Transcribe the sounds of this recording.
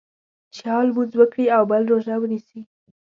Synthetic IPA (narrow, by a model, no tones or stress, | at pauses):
t͡ʃɑlbuzwəkɽiawbəlɾoʒawənisi